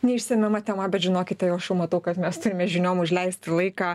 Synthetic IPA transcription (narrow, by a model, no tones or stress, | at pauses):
nʲɛɪʃʲsʲɛmʲɛmɐt̪ʲɛmɐbʲɛt̪ʒʲɪnoːkʲɪt̪tʲɛjɛʊɐʃjɛʊmɐt̪ɐʊkɐt̪mʲɛst̪ʊɾʲɪmʲɛʒʲɪnʲoːmʊʒʲlʲɛɪsʲtt̪ʲɪlˠɐɪkaː